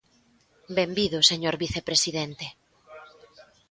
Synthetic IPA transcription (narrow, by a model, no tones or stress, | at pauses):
bembiðʊseɲoɾβiθepɾesiðent̪e